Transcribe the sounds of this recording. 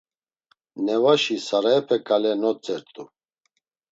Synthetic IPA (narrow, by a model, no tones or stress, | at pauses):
nɛvaʃisaɾaɛpʰɛkʼalɛnɔt͡sʼɛɾt̪ʼu